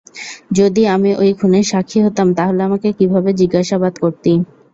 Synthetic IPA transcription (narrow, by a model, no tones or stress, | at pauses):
d͡ʑod̪iamiʔojkʰuneʃakʰːiɦot̪ːamt̪aɦoleamakekibʱabed͡ʑiɡːaʃabad̪koɾt̪i